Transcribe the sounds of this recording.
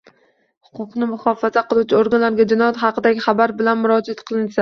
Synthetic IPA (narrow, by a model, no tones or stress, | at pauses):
hʊ̥qʊqnɪmʊχɒfazaqɨlˠut͡ʃʰɪoɾɡanlaɾɡʲad͡ʒɪnɒjat̪χɑqʰɨd̪aɡʲɪχabaɾbɪlanmʊɾɒd͡ʒat̪qʰɨlˠɪnsa